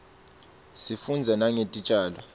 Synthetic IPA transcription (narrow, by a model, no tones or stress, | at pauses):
sifund͡zʱanaŋetʼit͡ʃʼaːlɔ